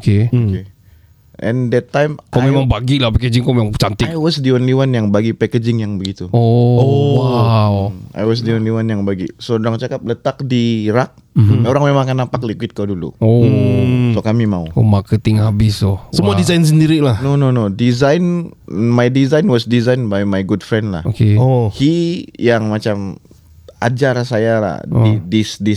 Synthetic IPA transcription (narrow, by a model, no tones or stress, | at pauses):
keoke | ʔɛ̰ndɛt̪ːajmkɔmemaŋbaɡilahpɛked͡ʒɪŋkomemaŋt͡ʃant̪ɪajwɔsdiɔnliwanjaŋbaɡipɛked͡ʒɪŋjaŋbəɡit̪uoowawa̰jwɔs̬diɔnliwanjaŋbaɡisodɾaŋt͡ʃakap̚lət̪ak̚diɾak̚oɾaŋmemãŋkanːapak̚likwɪt̪̚kadulṵo | sokamimauomakət̪ɪŋhabɪsosəmuadizajns̬əndiɾilahnononodizajn | majdizajnwɔsdizajnbajmajɡudfɾɛndla̰hokeohijaŋmat͡ʃam | a̰d͡ʒarasajala̰didisdis